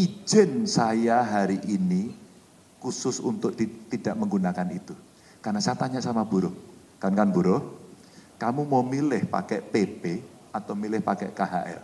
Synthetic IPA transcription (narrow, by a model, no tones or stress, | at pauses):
id͡ʒɛnsajaɦaɾiʔini | kusʊsṵnt̪ʊk̚dit̪idaʔməŋɡunakanit̪u | karnasajat̪aɲaʔsamab̥uɾʊh | kankanbuɾʊh | kamumamilɪhpa̰kɛʔpepe | at̪awmilɪhpakɛ̰ʔkaɦa̰ʔɛ̰r